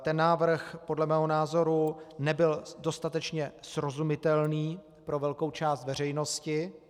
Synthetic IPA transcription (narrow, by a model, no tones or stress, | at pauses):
t̪ɛnːaːvr̩xpo̞dlɛmɛːɦo̞naːzo̞ɾunɛbɪldo̞st̪at̪ɛt͡ʃɲɛsɾo̞zumɪt̪ɛlniː | pɾo̞vɛlko̞wt͡ʃaːst̪vɛr̝ɛjno̞scɪ